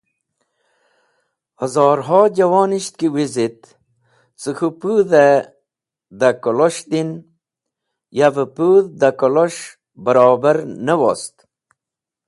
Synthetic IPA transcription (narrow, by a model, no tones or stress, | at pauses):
hɐzɑːɾɦɑːd͡ʑɐwɑːniɕt̪̚kiwizit̪̚ | t͡sɨxupuðe | d̪akoloʂd̪in | javəpuðd̪akoloʂ | bɐɾɑːbəɾnəwo̰st̪